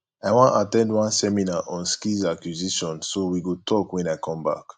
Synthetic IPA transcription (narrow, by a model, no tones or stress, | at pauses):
aɪwãntatɛ̃ndwãnsɛminaʔɔ̃nskizakjuziʃɔ̃nsowiɡotʰɔkwɛ̃naɪkʰɔ̃mba̰k